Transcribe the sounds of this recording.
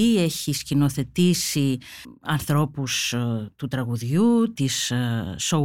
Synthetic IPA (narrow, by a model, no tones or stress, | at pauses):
ie̞çiscino̞θe̞t̪isiɐnθɾo̞pust̪ut̪ɾɐɣuðʝut̪isː | o